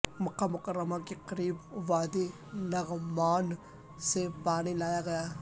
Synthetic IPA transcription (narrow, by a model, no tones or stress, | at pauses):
mʊqːamʊkəɾːəmakeqɐɾiːbʋaːd̪i | nɐɣmaːn | sepaːnilaːjaɡɐjaː